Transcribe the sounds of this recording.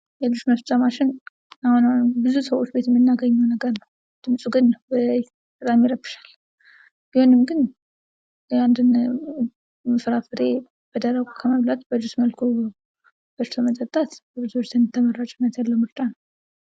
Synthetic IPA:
jɛlɨd͡ʒuʃməft͡sʼːamaʃɪn | ahunanbɨzusəwo̞t͡ʃːbe̞t̪jɛmːɨnːaɡəɲːɛwnəɡəɾnəw | d̪̥ɨmsʼuɡɨnːəwbəj | tʰʼəd̪ʼamiɾəbɨ̥ʃḁl | jɪhonɨmɡɨn | and̪ɨn | mɨfɾafɨɾe | b̥əd̪əɾəɡʼukʰəməβlat̪bəlduʃməlkʰo | b̥əɾt̪ʰomət̪ʼət̪ʼːat̪bəd̪usot͡ʃt̪ʰənt̪ʰːəməɾat͡ʃʼɪmːət̪jalːəwmɨɾt͡ʃʼanəw

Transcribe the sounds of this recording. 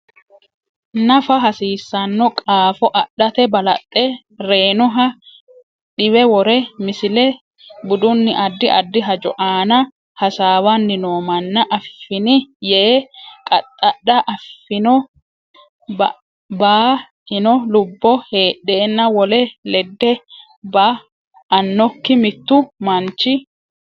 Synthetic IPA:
nɐfɐɦɐsiːsːɐnːɔkʼaːfɔʔɐɗːɐt̪ɛbɐlɐ̰t̪ʼːɛ | ɾe̞ːnʊɦɐ | ᶑɪwɛwɔɾɛmɪsɪlɛ | bʊd̪ʊnːɪʔɐd̪ːɪʔɐd̪ːɪɦɐd͡ʒɔ̰ʔaːnɐ | hɐsaːwɐnːɪnoːmɐnːɐʔɐfːɪnɪjeːkʼɐt̪ʼːɐɗɐʔɐfːɪnɔ | b | baː | hɪnɔlʊbːɔhe̞ːɗːeːnːɐwɔlɛlɛd̪ːɛ | baː | nːɔkːɪmɪt̪ːʊmɐnt͡ʃːɪ

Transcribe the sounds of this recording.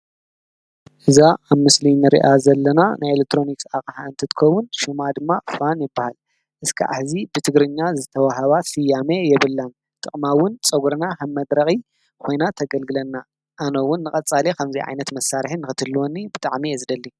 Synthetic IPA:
ʔɨzaʔaβmɨslinɨɾḭʔazɐlːɐnanajelek̚t̪ʰɾo̞niksakʼħaɨnt̪ʰɨt̪ɨ̥kʰɐwʊnʃɨmad̪ɨmːafanjɪbːahal | ʔɨskʰɨ̰ʕa̰ħzibɨt̪ʰɨɡɾɨɲːazɨt̪ʰɐwaɦaβasɨjːamejɛβɨlːan | t̪ʼɨχʼmawʊnt͡sʼɐɡɾɐnakʰɐmɐd̪ɾɐxʼi | kʰo̞jnat̪ʰɐɡɐlɡɨlɐnːa | ʔːnɐwʊnːɨkʼɐt͡sʼalekʰɐmziʕa̰jnɐt̪mɐsːaɾħinɨxɨt̪ʰɨlːuwonːibɨt̪ʼaʕmiɐzd̪ɐlːi

